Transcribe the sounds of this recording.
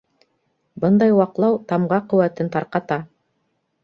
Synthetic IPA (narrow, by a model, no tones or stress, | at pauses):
bɤnd̪ɑjwɑqlˠɑwt̪ɑmʁɑqɵ̆wæt̪ɘnt̪ɑɾqɑt̪ɑ